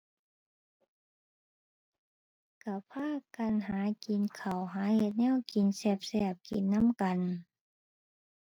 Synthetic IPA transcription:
ka˧˩pʰaː˧˥˨ka˨nɦaː˨˦ki˨nkʰa˨˩wɦaː˨˦he˧t̪̚nɛː˧˥˨wki˨˩nsɛː˧˩p̚sɛː˧˩p̚ki˨nːa˧˥˨mka˨n

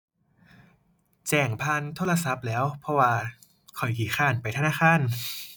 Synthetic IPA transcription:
t͡ɕɛː˨˩ŋpʰaː˧˥˨nt̪ʰoː˧˥˨la˧sa˨˦˥p̚lɛː˦˥wpʰɔ˧˥waː˧ | kʰɔ˨˩jkiː˨˩xʰaː˧˩npa˨˩jt̪ʰa˧naː˥˩xʰaː˧˥˨n

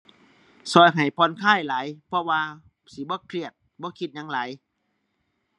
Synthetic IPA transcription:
sɔː˧˩jɦa˨˩jpʰɔː˧˨nkʰaː˥˩jlaː˨˦jpʰɔ˧waː˧ | si˨˦bɔː˧˦kʰli˧˩ət̪̚bɔː˧˦kʰi˧t̪̚ɲa˧˦ŋlaː˨˩˦j

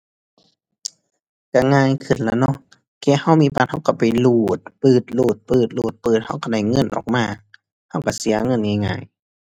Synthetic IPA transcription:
ka˧˩ŋaː˧˨jkʰɯ˨˩˨nla˧˩˧nɔ˧˨ʔ | kɛː˧ha˧˩˨wmiː˧˥˨paː˧t̪̚ha˧˩wka˧˩pa˨˩jluː˧˩t̪̚pɯː˨˩t̪̚luː˧˩t̪̚pɯː˧˩t̪̚luː˧˨˩t̪̚pɤː˨˩t̪̚ha˧˩wka˧˩da˧˩jŋɤ˧˥˨nʔɔ̰ː˨˩k̚maː˧˨ | ha˧˥˨wka˧˩si˨˦ɐŋɤ˧˥˨nŋa˧˩˨ŋa̰ː˧˨j

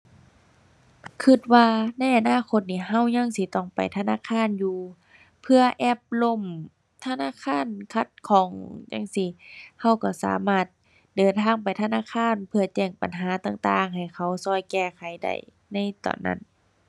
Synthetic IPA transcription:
kʰɯ˧t̪̚waː˧na˧˥˩jʔa˨naː˧˥˨kʰo˧˦t̪̚niː˧˩ɦa˧˩˨wɲa˧˨ŋsi˧˦t̪ɔ˧˩ŋpa̰˨˩jt̪ʰa˧na̰ː˧˥˨kʰaː˧˥˨njuː˧ | pʰɯ˧ɐʔɛː˧˥˩p̚lo˧˥˨m | t̪ʰa˧naː˧˥˨kʰaː˧˥˨nkʰa˧˩t̪̚kʰɔː˨˦ŋɲa̰˧˥˨ŋsi˧ha˧˩˨wka˧˩sa̰ː˨˦maː˧˩t̪̚ | dɤː˨˩nt̪ʰaː˧˥˩ŋp̬a˨jt̪ʰa˧naː˧˥˨kʰaː˧˥˨npʰɯ˧ɐ˧t͡ɕɛː˧˩ŋpa̰˨nɦaː˨˦t̪aː˧ŋt̪aː˧ŋɦa˨˩jkʰa˧˩wsɔː˧˩˨jkɛː˧˩kʰa˨˦jda̰˧˩j | na˧˥˨jt̪ɔ̰ː˨˩nːa̰˧˩˨n

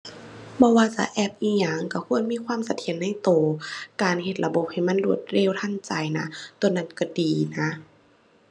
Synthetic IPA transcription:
bɔː˧waː˧t͡ɕa̰˧˦ʔɛː˧˩p̚ʔiː˧˩ɲaː˧˩˨ŋka˧˩kʰu˧˥˨ə˨nmiː˧˥˨kʰwaː˧˥˨msa˧˦t̪ʰi˧˨ənːa˧˥˨jt̪oː˨˩kaː˨nhe˧˩t̪̚la˧bo˧˦p̚ha˨˩˨jma˧˥˨nlu˧˩ət̪̚ɾeː˧˥˨wt̪ʰa˧˥˨nt͡ɕa˨˩jna˧˥t̪o˨˧˩nːa˧˥˨nka˧˩diː˨na˧˥

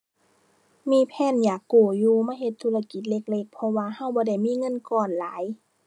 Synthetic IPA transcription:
miː˧˥˨pʰɛː˧˥˨njaː˨˩kːuː˨˩juː˧maː˧˥˨he˧t̪ʰːuː˧˨la˧ki˨˩t̪̚le˧˩k̚le˧˩k̚pʰɔ˧waː˧ha˧˥˩wbɔː˧˦da˧˩jmiː˧˥˨ŋɤ˧˥˨nkɔː˧˨˩nlaː˨˦j

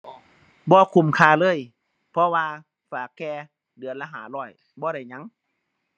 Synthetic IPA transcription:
bɔː˧˦kʰu˧˩˨mkʰaː˧˩lɤː˧˥˨j | pʰɔ˧waː˧ | faː˨˩˦kːɛː˧ | dɯ˨˩˦ənlaː˧ɦa̰ː˨˩˦lɔː˧˩j | bɔː˧˦ɾa˧˩jɲa˧˥˨ŋ

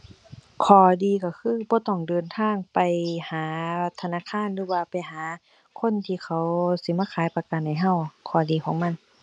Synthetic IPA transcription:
kʰɔː˨˩diː˧ka˧˩kʰɯː˧˥˨bɔː˧˦t̪ɔː˧˩ŋdɤː˧nt̪ʰaː˧˥˨ŋpa˨jhaː˨˦t̪ʰa˧naː˧˥˨kʰaː˧˥˨nlɯː˧˦waː˧˩pa˨jɦaː˨˦ | kʰo˧˥˨nt̪ʰiː˧kʰa˧˩wsi˧˦maː˧˥˨kʰaː˨˦jpa˧ka˨˧˨nha˧˩jɦa˧˩˨wkʰɔː˨˩˦diː˨˩kʰɔː˨˦ŋma˧˥˨n

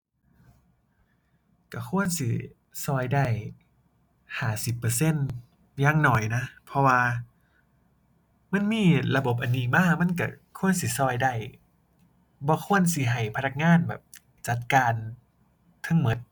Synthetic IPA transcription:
ka˧˩kʰu˧˥˨ənsi˧˦ | sɔː˧jda˧˩˨j | haː˨˩si˨˩pːɤː˧se˧˥˨n | jaː˧˩˨ŋnɔː˨˩jna˧˦˥pʰɔ˧waː˧ | ma˧˥˨nmiː˧˥˨la˧bo˨˦p̚ʔa˨nːiː˧˩maː˧˥˩ma˧˥˨nka˧˩ | kʰu˧˥˨ənsi˧˦sɔː˧˩jda˧˩j | bɔː˧˦kʰu˧˥˨ə˨nsi˧˦ɦa˨˩jpʰa˧na˧˩k̚ŋaː˧˥˨nbɛ̰ː˨˩p̚ | t͡ɕa˨˧˩t̪̚kaː˧n | t̪ʰɯ˧˥˨ŋmo˧˨˩t̪̚

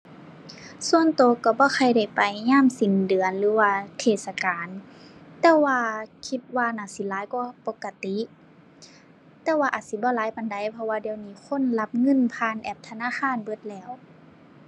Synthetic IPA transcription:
su˧ənt̪oː˨ka˧˩bɔː˧˦kʰa˧˩jda˧˩jpa˨jɲaː˧˥˨msi˨˩ndɯ˨ənlɯː˨˦waː˧t̪ʰeː˧˩t̪̚sa˧kaː˨nt̪ɛː˧waː˧kʰi˧˦t̪̚waː˧naː˧˩si˧˦laː˨˦jkɔː˧˩po˧˦kːa˧t̪i˧˦ | t̪ɛː˧waː˧ʔaː˨˩t̪̚si˧˦bɔː˧˦laː˨˦jpa˧˨nda˧˦˨jpʰɔ˧waː˧di˧ə˨wniː˧˩kʰo˧˥˨nla˧˥p̚ŋɤ˧˥˨npʰaː˧˥˨nʔɛː˧˩p̚t̪ʰa˧naː˧˥˨xʰaː˧˥˨nbɤ˧˥˦t̪̚lɛː˧˩˨w

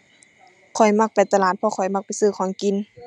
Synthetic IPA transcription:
kʰɔ˨˩jma˧k̚pa˨jt̪a˧laː˨˩t̪̚pʰɔ˧kʰɔ˨˩jma˧k̚pa˨jsɯː˧˩˨kʰɔː˧˦ŋki˨n

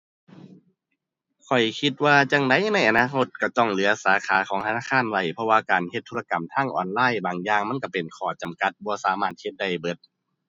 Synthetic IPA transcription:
kʰɔ˨˩jkʰi˧t̪̚waː˧t͡ɕa˧˩ŋda˧˥˨jna˧˥˩jʔa˨naː˧˥˨kʰo˧t̪̚ka˧˩t̪ɔ˧˥˩ŋlɯ˨˩˦ɐsaː˨˦kʰaː˨˦kʰɔː˨˦ŋt̪ʰa˧naː˧˨˧kʰaː˧˥˨nwa˧˩jpʰɔ˧waː˧kaː˨nhe˧t̪ʰːuː˧˥˩a˧ka˨˩mt̪ʰaː˧˥˩ŋʔɔ̰ː˨˩nlaː˧˥˨jbaː˨˩ŋjaː˧˩ŋma˧˥˨ka˧˩pe˨˩nkʰɔː˧˩t͡ɕa˨mka˧˦t̪̚bɔː˧˦saː˨˦maː˧˩t̪̚he˧t̪̚da˧˩jbɤ˧˦t̪̚

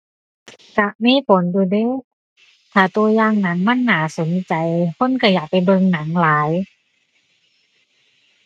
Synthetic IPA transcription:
ka˧˦ʔmiː˧˥˨pʰo˨˦nduː˧˩de˧˥˨ | t̪ʰaː˨˩t̪u˧ɐjaː˧˨ŋna˨˦ŋma˧˥˨nːaː˨˩˦so˨˦nt͡ɕa˨˩jkʰo˧˥˨nka˧˩jaː˨˩k̚pa˨˩jbɤ˧ŋna˩˦ŋlaː˨˦j

